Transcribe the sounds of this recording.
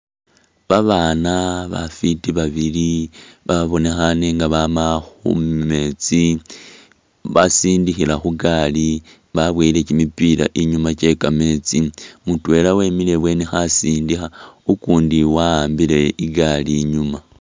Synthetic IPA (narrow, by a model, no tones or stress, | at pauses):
βaβanaβa̰fitiβaβiliβaβo̞ne̞xane̞ŋɡaβamaxṵme̞t͡si | βasiːndixilaxuɡali | βaβweile̞cimipila̰ʔiɲumat͡ʃe̞kame̞t͡simutwe̞ːlawe̞mile̞βwe̞ːnexasiːndixaukuːndiwaaːmbile̞iɡaliɲuma